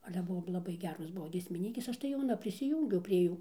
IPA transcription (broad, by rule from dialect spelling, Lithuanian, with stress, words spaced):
ˈɑːlʲɛ ˈbʊʋoː lˠɐˈbɐɪ ˈɡʲæːroːs ˈbʊʋoː ɡʲiɛsʲmʲɪˈnʲiːkʲeːs ˈɐʃ tɐɪ jɛʊˈnɐ pʲrʲɪsʲɪˈjuːŋʲɡʲɛʊ pʲrʲiɛ ˈjuː